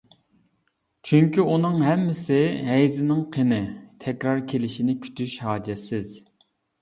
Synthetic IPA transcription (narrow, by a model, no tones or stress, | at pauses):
t͡ʃʰyŋkʲiunɨŋɦɛmːɪsɪɦɛjzɪnɪŋqʰenɪt̪ʰɛkʲɾɑɾkʲʰelɪʃinɪkʲʰy̥t̪ʰyʃhɑːd͡ʒɛsɪz̥